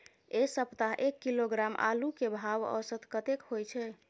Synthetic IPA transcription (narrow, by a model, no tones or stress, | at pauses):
esəpt̪aɦʔekːiloɡɾamʔa̰lukebʱawə̰wsət̪kət̪ekhojt͡ʃʰɛ